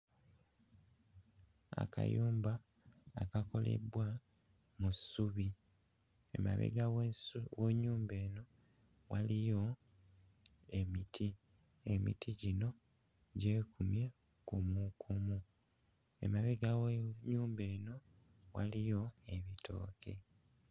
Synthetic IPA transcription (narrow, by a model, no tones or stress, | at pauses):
a̰kʰa̰juːmbaː | kako̞lḛbwa | musuβi | ḛma̰βḛɡaweɲuːmbe̞ːno̞ | walijo̞ | e̞mitʰi | e̞mḭtʰiɟino̞ | ɟe̞ːkumje | kumukʰumu | e̞̰maβeɡaɲuːmbe̞ːno̞ | wa̰lijo̞e̞βitʰo̞̰ːkʰe̞